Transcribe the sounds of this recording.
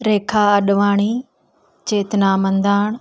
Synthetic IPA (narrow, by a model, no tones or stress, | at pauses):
ɾeːkʰaːɐɗʋaːɽ̃iː | t͡ɕeːt̪ɪnaːmɐ̃nd̪aːɳ̃